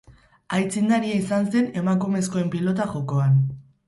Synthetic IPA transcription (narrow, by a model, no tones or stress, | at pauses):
ajt͡sind̪aɾiaisanse̞ne̞makume̞sko̞e̞mpilo̞t̪aʝo̞ko̞an